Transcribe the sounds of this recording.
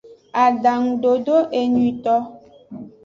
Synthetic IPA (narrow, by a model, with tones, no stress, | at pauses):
a˨da˨ŋ̩˨ɖo˨do˦ʔe˨ɲwi˨t̪ɔ˦